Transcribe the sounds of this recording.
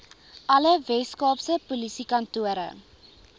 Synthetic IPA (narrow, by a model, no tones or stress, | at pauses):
ʔɐləvɛskɑːpsəpulisikɐntuəɾə̰